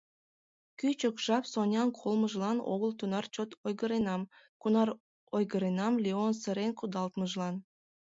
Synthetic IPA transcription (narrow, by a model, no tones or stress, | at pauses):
kyt͡ɕəkʒ̥ɑpsonʲɑnkʰolməʒlɑno̰ɣəlt̪unɑrt͡ɕot̪ojɣəɾenɑm | kunɑr | ojɣəɾenɑmlʲeonsə̆ɾenkud̪ɑlt̪məʒlɑn